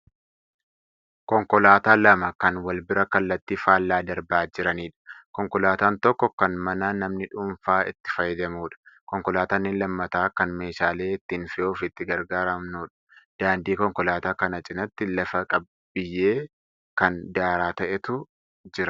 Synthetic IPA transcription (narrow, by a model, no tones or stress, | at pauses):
kɔŋkɔlaːt̪aːlɐmɐkɐnwɐlbɪɾɐkɐlːɐt̪ːiːfaːlːaːd̪ɐɾbaːd͡ʒɪɾɐniːᶑɐ̥kɔŋkɔlaːt̪aːnt̪ɔkːɔkɐnmɐnaːnɐmnɪᶑʊːɱfaːɪ̰t̪ːɪ̥fɐjːɪd̪ɐmuːᶑɐ̥kɔŋkɔlaːt̪aːnːɪnlɐmːɐt̪aːkɐnme̞ːʃaːle̞ːɪt̪ːiːnfɪjo̞ːfɪt̪ːɪɡɐɾɡaːɾɐmnuːᶑɐ̥d̪̥aːnd̪iːkɔŋkɔlaːt̪aːkɐnɐt͡ʃʼɪnɐt̪ːɪlɐfɐkʼɐb | bːɪjːeː | kɐnd̪aːɾaːt̪ɐʔɛt̪ʊ | d͡ʒɪɾɐ